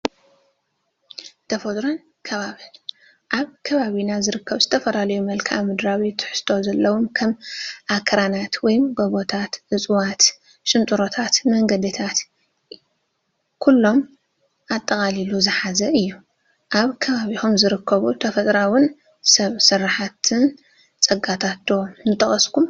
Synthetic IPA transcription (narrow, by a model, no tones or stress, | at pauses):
t̪ʰɐfot̪ʼɾon | kʰɐβaβi | ʔaβkʰɐβaβinazɨɾɨkʰːɐβzɨt̪ʰɐfɐlalɐjumɐlkʰa̰mɨd̪ɾawit̪ʰːɨ̥ħst̪ʰo̞zɐlːɐwumkʰɐmʔakʰːɐɾanat̪wɔjmɡoβot̪ʰat̪ʔɨt͡sʼwat̪ | ʃɨnt̪ʼuɾo̞t̪ʰat̪mɐŋɡɐd̪it̪ʰat̪ | kʰulːo̞m | ʔat̪ʼːɐkʼaliluzɨħazɐʔɨjːu | ʔaβkʰɐβaβixomzɨɾɨkʰːɐβut̪ʰɐfɐt̪ʼɾawʊn | sɐβsɨrːaħat̪ʰɨn | t͡sʼɐɡat̪ʰat̪̚d̪̥onɨt̪ʰɐxʼɐskʰum